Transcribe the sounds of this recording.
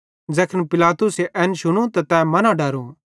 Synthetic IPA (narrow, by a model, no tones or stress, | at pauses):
d͡zɛːkʰənpɪlaːt̪ʊseʔɛnʃʊɽ̃ũt̪at̪ɛmɐnãɖɐɾũ